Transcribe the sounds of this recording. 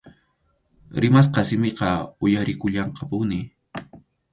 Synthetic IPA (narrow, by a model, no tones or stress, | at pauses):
ɾɪmas̬qɑsɪmeqɑʊjaɾɪkʊʎɑɴqɑpʊnɪ